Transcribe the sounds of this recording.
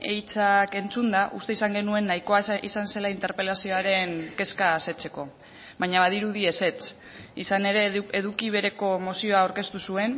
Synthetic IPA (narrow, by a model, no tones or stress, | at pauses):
e̞jt͡sake̞nt͡sund̪aʔṵst̪e̞isaŋɡe̞nue̞nːajko̞aḭsanse̞laint̪eɾpe̞lasio̞aɾe̞ŋke̞skaːse̞t͡se̞ko̞ | βajɲaβaðiɾuð̞ie̞se̞t͡s | isane̞ɾe̞eðukiβ̞e̞ɾe̞ko̞mo̞sio̞aːwɾke̞st̪usue̞n